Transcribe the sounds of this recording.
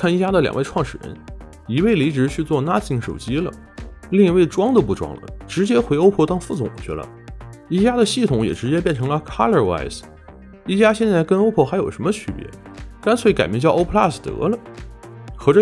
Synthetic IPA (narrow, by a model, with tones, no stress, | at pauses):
kʰa˥˩ni˥˩t͡ɕja˥d̪ə˨ljɑ̰˨˩ŋʔe˥˧ɪʈ͡ʂʰwɑ˥˩ŋʂɻ̩˨˩ɻə̰˧˥n | i˧˥we˥˩ɪli˧˥ʈ͡ʂɻ̩˧˥t͡ɕʰy˥˧t͡swɔ˥˩na˥t͡ɕi˧˥˩ŋʂo˨˩ʊt͡ɕi˥lə̰˨ | li˥˩˧ŋi˧˥we˥˩ɪʈ͡ʂwɑ˥ŋd̪ə˨˧pu˥˩ʈ͡ʂwɑ̰˥ŋlə̰˨˩ʈ͡ʂɻ̩˧˥t͡ɕjɛ˥xwe˧˥ɪo˥ʊpʰwɔ˥˧t̪ɑ˥˧ŋfu˥˩t͡sʊ̰˨˩ŋt͡ɕʰy̰˧˥lə̰˧˩ | i˥˩t͡ɕja˥d̪ə˨ɕi˥˩t̪ʰʊ˧˥ŋjɛ̰˨˩ʈ͡ʂɻ̩˧˥t͡ɕjɛ˥p̬jɛ˥˩nʈ͡ʂʰɤ˧˥ŋlə˧kʰa˥lə˥˧˩wa̰˥˩ɪs | i˥˩t͡ɕja˥ɕjɛ˥˧nt͡sa˥˩ɪkə˥no˥ʊpʰɔ˥˩xa˧˥ɪjo˨˩ʊʂə˧˥mə˧t͡ɕʰy˧˥˧pjɛ̰˧˥ | ka˥nsʰwe˥˩ɪka˨˩ɪmɛ˥˧t͡ɕjɑ˥˧ʊo˥pʰla˥˩st̪ɤ̰˧˥lə˨ | xɤ˧˥ʈ͡ʂə˧